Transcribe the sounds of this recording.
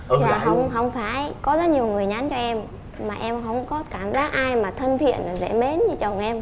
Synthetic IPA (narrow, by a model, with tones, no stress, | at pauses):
laːaː˨˩ɦə˧wŋ͡mɦə˧wŋ͡mfaː˧˩jkɔ˨˦zə˦˥t̚ɲi˨˩əwŋɨ˨˩əjɲa˨˦nt͡ɕɔ˧ʔɛ˧m | maː˨˩ʔɛ˧mɦə̰˧wŋ͡mkɔ˨˦kaː˧˩mzaː˨˦˥k̚ʔaː˧jmaː˨˩t̪ʰə˧nt̪ʰḭ˧˨ənlaː˨˩zɛ̰˧˥me˨˦nɲɨ˧t͡ɕə˨˩wŋ͡mʔɛ˧m